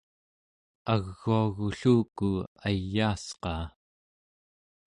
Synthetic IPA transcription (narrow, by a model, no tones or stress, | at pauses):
aɣːuaɣuɬuːkuajːaːsqɑː